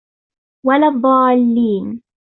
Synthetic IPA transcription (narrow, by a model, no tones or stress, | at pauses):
walad̪ˤːɑːlːiːn